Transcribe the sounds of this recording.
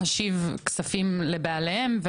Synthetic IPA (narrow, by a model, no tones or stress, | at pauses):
aʃivksafimlebealehemv